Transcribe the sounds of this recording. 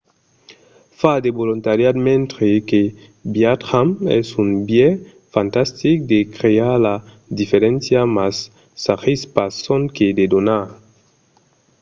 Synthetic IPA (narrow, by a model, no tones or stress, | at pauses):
fad̪ebolunt̪aɾjad̪mẽnt̪ɾeke | bjat̪χamɛ̰sunbje | fant̪ast̪ikd̪ekɾeaɾla | d̪ifeɾẽnθjamasː | atispasonked̪ed̪onaɾ